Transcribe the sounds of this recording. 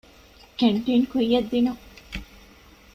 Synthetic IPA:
keɳʈeːnkuijɐd̪ːinu

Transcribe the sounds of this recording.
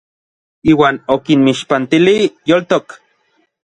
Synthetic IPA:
iːwaːnokinmiʃpant̪ilijolt̪ok

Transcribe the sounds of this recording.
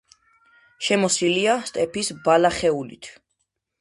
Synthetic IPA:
ʃɛmɔsiliast̪ʼɛpisbalaχɛulḭt̪ʰ

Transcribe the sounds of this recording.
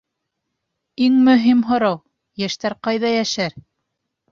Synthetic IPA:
iŋmɵ̆ɦimɦŏɾɑw | jæʃt̪æɾqɑjðɑjæʃæɾ

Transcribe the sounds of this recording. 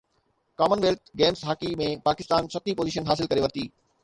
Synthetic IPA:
kaːmənʋeːlʈɡeːmsɦaːkimẽpaːkɪst̪aːnsɐt̪ʰipoːziːʃ̬ənɦaːsɪlkɐɾeʋɐɾt̪iː

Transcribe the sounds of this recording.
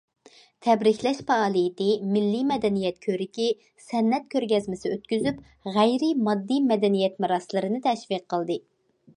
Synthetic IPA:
t̪ʰɛbɾɪkʲlɛʃpɑɑːlˠijɪt̪ɪmɪlːimɛd̪ɛnijɛt̪̚kʲʰøɾɪkʲi | sɛnːɛt̪̚kʲʰøɾɡʲɛzmɪsɪøt̪kʲyzyp | ʁæjɾɪmɑd̪ːimɛd̪ɛnijɛt̪mɨɾɑslˠɨɾɨnɨt̪ʰɛʃviqʰːəlˠd̪ɨ

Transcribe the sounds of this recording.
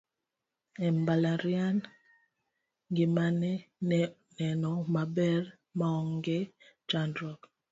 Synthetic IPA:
ɛmbalaɾian | ŋɡimanɛ | nɛnɔmabɛɾ | maɔŋɡɛd͡ʒandɾɔk

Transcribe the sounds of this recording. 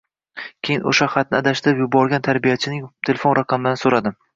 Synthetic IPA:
kʲʰejɪnʔo̰ʃaχɑt̪̚nɪad̪aʃɪpjʊbɒɾɡʲant̪ʰaɾbijat͡ʃʰɪnɪŋt̪ʰe̞lʲefo̞nɾɑqʰɑmɪd̪ansoɾad̪ɪm

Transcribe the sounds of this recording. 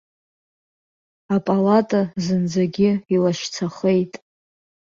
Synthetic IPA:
apʼalatʼazɨnd͡zaɡʲɪilaʃt͡sʰaχe̞jtʼ

